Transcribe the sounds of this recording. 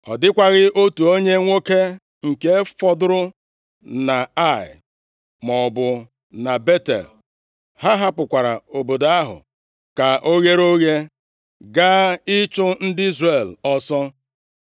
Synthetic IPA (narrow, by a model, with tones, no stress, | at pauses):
ɔ˨dɪ˦kʷa˦ɣɪ˦o˦tu˨o˦ɲe˦ŋʷo˦ke˦ | ŋ̩˨ke˦fɔ˦dʊ˦ɾʊ˦ | na˨a˦˨ɪ̰˨ | mɔ˨bʊ˨ | na˨be˦tḛ˨l | ha˦ɦa˦pʊ˨kʷa˨ɾa˨o˨bo˨da˦ɦʊ̰˨ | ka˨ʔo˦ɣe˦ɾo˦ɣe˦ | ɡa˦ɪ˦t͡ʃʊ˦n̩˦dɪ˦i˦zre˨lɔ˦sɔ˦